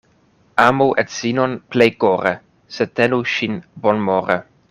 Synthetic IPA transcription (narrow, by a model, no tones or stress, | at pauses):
amuʔɛt̪sinonplejkoɾe | set̪ɛnuʃinbonmoɾe